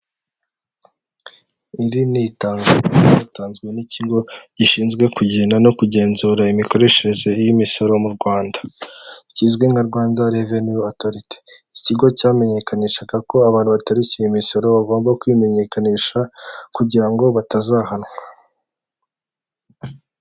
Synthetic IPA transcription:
iɾinitaːŋɡaataːnzɡwe̞niciɡo̞ɟiʃiːnzɡwe̞kuɟenano̞kuɟe̞ːnzuːɾaimiko̞ɾe̞ʃeɾeze̞ijimiso̞ɾo̞muɾɡwaːndḁciːzɡwe̞ŋɡaɾɡwaːndaɾevenuotoɾite̥iciɡo̞caːme̞ɲe̞kʰaniʃaɡako̞aβaːn̥huβataɾicejimiso̞ɾo̞βaɡo̞ːmbakwime̞ɲe̞kaniːʃakuɟiɾaŋɡo̞βatazahanwa

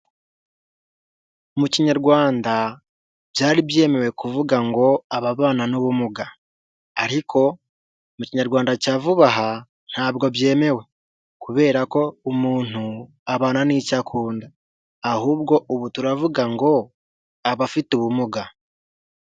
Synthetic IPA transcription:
umuciɲaɾɡwaːnda | bjaːɾibje̞ːme̞we̞kuvuɡaŋɡo̞aβaβaːnanuβumuɡa | aɾikʰo̞ | muciɲaɾɡwaːndacaːvuβaɦa | n̥haːbɡo̞bje̞ːme̞we̞ | kuβe̞ːɾako̞umuːn̥u | aβaːnanicakʰuːndaː | huːb̚ɡo̞ʔuβutuɾavuɡaŋɡo̞ | aβafituβumuɡa

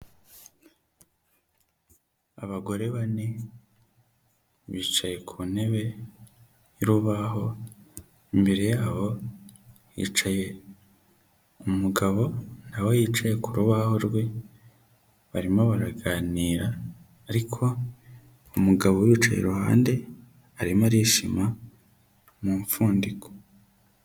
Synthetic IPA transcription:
aβaɡo̞ɾe̞βane | βiːt͡ʃaje̞kʰuːne̞βe̞ | jiɾuβaɦo̞ | imbe̞ɾejaːβo̞ | jḭːt͡ʃaje̞ | umuɡaβo̞n̥hawojiːt͡ʃaje̞kuɾuβaho̞ɾɡwe̞ | βaɾimoβaɾaɡaːniːɾaː | ɾikʰo̞ | umuɡaβowiːt͡ʃa̰jḛɾuha̰ːnde̞ | aɾimaɾiːʃima | muːɱfuːndiko̥

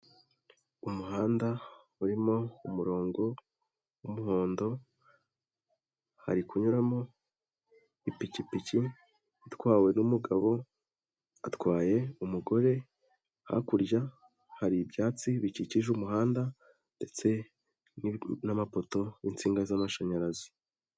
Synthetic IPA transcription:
umuɦaːnda | uɾimo̞umuɾo̞ːŋɡo̞ | wumuho̞ːndo̞ | ha̰ɾikuɲuɾamo̞ | ipicipici | itkwaːwe̞numuɡaβo̞ | atkwaːje̞umuɡo̞ɾe̞ | ha̰kuɾɟa | haɾibɟaːt͡siβiciciʒumuɦaːnda | nde̞t͡se̞ | ninamapo̞to̞int͡siːŋɡazamaʃaɲaɾazi̥

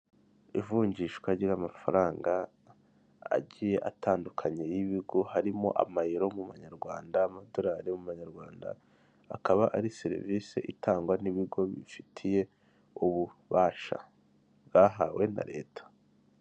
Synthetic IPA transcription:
ḭvuːɲɟiʃkwaɟiɾamafaɾaːŋɡa | a̰ɟije̞ʔatʰaːndukʰaɲe̞jiβiɡo̞haɾimo̞̰ʔa̰majiɾo̞muβaɲaɾɡwaːndaːmado̞ɾaːɾemuβaɲaɾɡwaːnda̰ː | kaβaʔaɾiseɾḭviːsḛʔitaːŋɡwaniβiɡo̞βḭfitʰije̞ | uβuβaːʃa̰ | βɡaːɦawe̞na̰ɾe̞̰ːtʰḁ

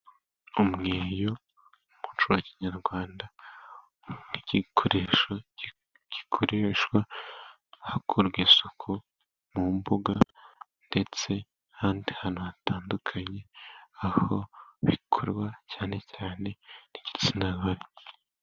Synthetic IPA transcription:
umŋeːjo̞ | mut͡ʃuwaciɲaɾɡwaːnda | iɟikʰoɾeʃo | ɟ̥ikʰoɾe̞ʃwa | hakʰoɾɡisokʰo | mumbuɡa | nde̞t͡se̞ | haːndihanuhataːndukʰaɲe̞aho̞βikʰoɾwacaːne̞caːne̞niɟi̥t͡sinaɡaɾe

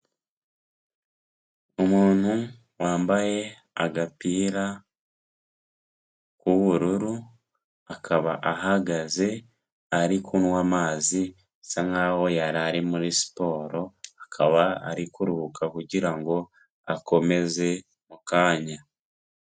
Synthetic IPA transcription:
umuːn̥hu | waːmbaje̞ | aɡapiːɾa | kuβuɾuɾu | akʰaβa̰ʔaɦaɡaze̞ | aɾikʰunwaːmaːzi | saŋaːho̞jaɾaɾimuɾisi̥po̞ːɾo̞akʰaβaa̰ɾikuɾuβukakuɟiɾaŋɡo̞ | ako̞me̞ze̞ | mukaːɲa

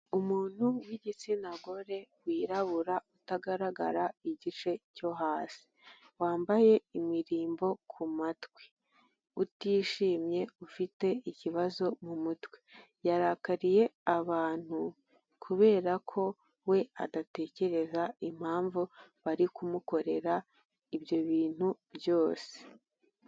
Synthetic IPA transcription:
umuːn̥huwiɟit͡sinaɡo̞ɾe̞wiːɾaβuɾautaɡaɾaɡa̰ɾaiɟit͡ʃe̞co̞ɦaːsi̥ | waːmbaje̞imiɾiːmbo̞kʰumatwe̥ | utiːʃiːmɲe̞ufite̞iciβazo̞mumutwe | jaɾakaɾije̞aβaːn̥hu | kʰuβe̞ːɾakʰo̞ | we̞a̰date̞ːce̞ɾe̞zaim̥haːɱvuβaɾikumuko̞ɾe̞ɾa | ibjo̞βiːn̥hubjo̞ːse̥

